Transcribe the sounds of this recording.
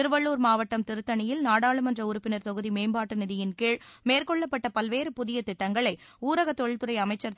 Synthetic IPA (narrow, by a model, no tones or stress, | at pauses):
ɪɾɯʋɐɭːuːɾmaːʋɐʈːɐmt̪ɪɾɯt̪ːɐnɪjɪlnaːɽaːɭɯmɛndrɐʊɾʊpːɪnɐɾt̪ɔɣɯðimeːmbaːʈːɯnɪðɪjɪnkeːɻmeːrkɔɭːɐpːɐʈːɐpɐlʋeːɾɯpʊðɪjɐt̪ɪʈːɐŋɡɐɭɐɪuːɾɐɣɐt̪ːɔɻɪlt̪ɯɾɐɪɐmɐɪt͡ʃːɐɾt̪